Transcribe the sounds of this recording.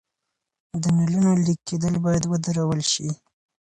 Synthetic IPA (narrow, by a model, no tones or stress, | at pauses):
d̪ənalənolikːed̪əlbɑjad̪wəd̪aɾawəlʃi